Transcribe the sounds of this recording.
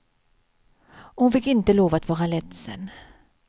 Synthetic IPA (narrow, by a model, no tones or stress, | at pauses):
hʊnfɪkːɪnt̪əloːvat̪vɑːɾalɛt̪sɛ̰n